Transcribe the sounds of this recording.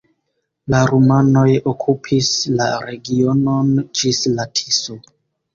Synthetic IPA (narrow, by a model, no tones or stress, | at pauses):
laɾumano̞jokʰupʰislaɾe̞ɡio̞no̞nd͡ʒislatʰiso